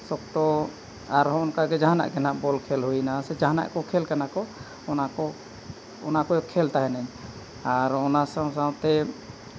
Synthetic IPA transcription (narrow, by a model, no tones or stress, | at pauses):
sɔk̚t̪ɔ | aɾɦɔnkaɡɛd͡ʒaɦana̰ʔkɛnaʔbɔlkʰɛlɦujnasɛd͡ʒaɦana̰ʔkɔkʰɛlkanakɔ | ɔnaɔ | ɔnakɔkʰɛlt̪aɦɛnaɲ | aɾɔnasawsawt̪ɛ